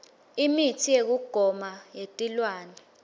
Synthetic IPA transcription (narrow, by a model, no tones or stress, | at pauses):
imitʰijek̬uɡ̥ʱɔmajetʼilwaːnɛ